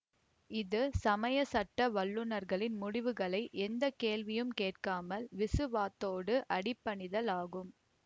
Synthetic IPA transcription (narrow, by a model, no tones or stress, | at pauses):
ɪðɯsɐmɐjɐsɐʈːɐʋɐɭːɯnɐɾɣɐɭɪnmʊɽɪʋɯɣɐɭɐɪʔɛnd̪ɐkeːlʋɪjɯmkeːʈkaːmɐlʋɪsɯʋaːt̪ːoːɽɯʔɐɽɪpːɐɳɪðɐlaːɣɯm